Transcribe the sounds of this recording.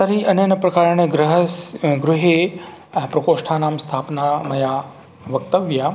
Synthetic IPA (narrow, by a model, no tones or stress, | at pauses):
t̪ɐɾiʔɐnenɐpɾɐkaːɾɳəɡɾɐɦsɡɾʊɦe | pɾɐkoːʃʈʰaːnaːmst̪ʰaːpnamɐja | ʋɐk̚t̪əʋja